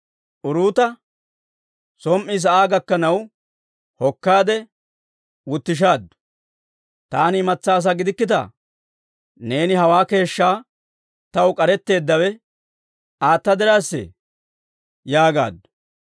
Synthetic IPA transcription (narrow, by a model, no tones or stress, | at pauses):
ʔʊɾuːt̪ɐ | sɔmʔːɪs̬ɐʔaːɡɐkːɐnɐw | hɔkːaːd̪ɛ | wʊt̪ːɪʃ̬aːd̪ʊ̥ | t̪aːnːmɐt͡sːaːs̬aɡɪd̪ɪkːɪt̪ɐ̰ | ne̞ːnɪhɐwaːke̞ːʃːaː | t̪ɐwʊkʼɐɾɛt̪ːe̞ːd̪ːɐwɛ | aːt̪ːɐd̪ɪɾaːsːɛ̰ | jaːɡa̰ːd̪ʊ̥